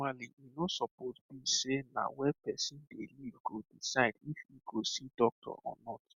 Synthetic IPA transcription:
aliʔinosɔpozbiʃenã̰wɛpɛsĩndelivɡodisajdifiɡosidɔk̚tʰɔ̰ʔɔ̰nɔt

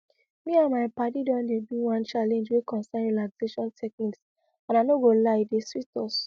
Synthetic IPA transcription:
mĩãmaɪpadidɔ̃ndebĩwãnt͡ʃalɛ̃nd͡ʒwekɔ̃nsɛ̃nɹilaɡzeʃɔ̃ntʰɛk̚niks | ãnanoɡolaɪdeswitɔs

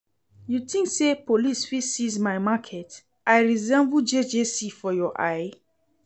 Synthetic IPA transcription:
jutĩŋksepʰolisfisizmaɪmakʰɛt | aɪɹizɛ̃mvud͡ʒed͡ʒesifɔjɔʔa̰ɪ

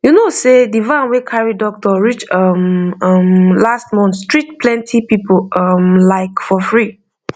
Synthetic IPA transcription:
junosedivãnwekʰaɹidɔk̚tɔɹit͡ʃʌmʌmlastmɔ̃ntstɹitpʰlɛ̃ntʰipipoʌmlaɪkfɔfɹi

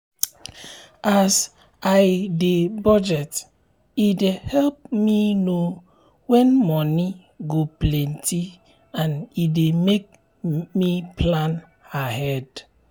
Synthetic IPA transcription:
ʔas | ajdebɔd͡ʒɛt | idehɛlp̚mino | wɛ̃nmɔni | ɡoplɛ̃nti | ãnidemek̚ | mipʰlãn | ahɛd

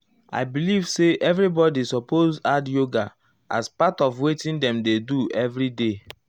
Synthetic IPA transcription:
a̰ɪbilivseʔɛvɹibɔdisɔpʰozadjoɡa | a̰spatɔvwetĩndɛ̃mdeduʔɛvɹide

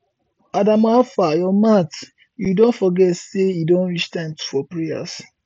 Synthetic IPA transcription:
adãmafajɔmat | judõntfɔɡɛtseidõnwit͡ʃtãɪ̃mtu̥fɔpɹeja̰s

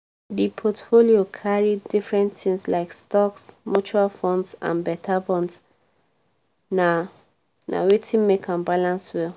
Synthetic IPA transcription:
dipʰɔtfoliokʰaɹidifɹɛ̃nt̪ĩŋslaɪkstɔksmut͡ʃuɹalfɔ̃ndsã̰nbɛtʰabɔ̃nds | na | na̰wetʰĩnmekʰãnbalãnswɛl

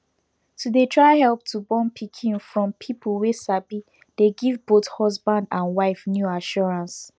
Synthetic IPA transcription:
tudetʰɹaɪhɛlp̚tʰubɔ̃npʰikʰĩnfɹɔ̃mpʰipʰəlwesabi | d̥eɡivbothɔzbãndãnwaɪfnjuaʃɔɹãns

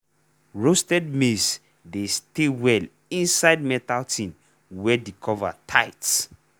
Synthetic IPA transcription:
ɹostɛdmes | destewɛl | ĩnsaɪd̚mɛtaltʰĩn | wɛdikʰɔva̰tʰaɪt

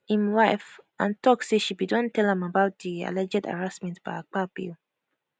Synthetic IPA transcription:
ĩmwaɪfʔãntʰɔkseʃibidɔ̃ntɛlɛ̃mabaʊt̚dia̰lɛd͡ʒɛda̰ɹasmɛ̃ntb̥aɪk͡pabḭl

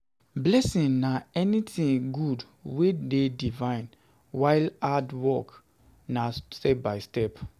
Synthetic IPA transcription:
blɛsĩnnaɛnitĩŋɡud | wededivãɪ̃n | waɪladwɔk | nastɛbaɪstɛp

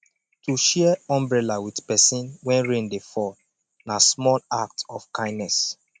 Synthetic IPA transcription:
tuʃɛɛɔ̃mbɹɛlawidpɛsĩnwɛ̃nɹẽndefɔl | nasmɔlak̚tɔfkʰãɪ̃nːɛs

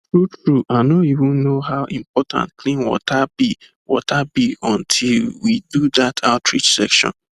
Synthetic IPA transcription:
tɹutɹuʔaɪnoivũnːoɦaʊʔĩmpɔtʰã̰nt̚kʰlĩnwɔ̰tʰabi | wɔ̰tʰabiɔ̃ntʰilwidud̪atʰaʊtɹḭt͡ʃsɛkʃɔ̰̃n

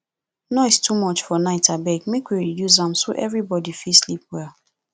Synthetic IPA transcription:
nɔɪstʰumɔt͡ʃfɔnaɪtabɛɡmekwiɹijuzãmsoʔɛvɹibɔdifislip̚wɛl

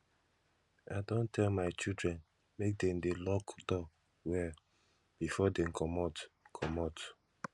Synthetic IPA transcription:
aɪdõntʰɛlmaɪt͡ʃildɹɛ̃n | mek̚dɛ̃m̩delɔkdɔ | wɛ | b̥ifɔdem̩kʰɔmɔtkʰɔmɔt

